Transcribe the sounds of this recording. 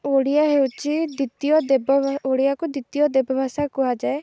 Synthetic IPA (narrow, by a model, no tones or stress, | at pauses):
oɽijaɦewt͡ʃid̪it̪ijɔd̪eboɽijakud̪it̪ijɔd̪ebʱɔbʱasakuɦad͡ʒae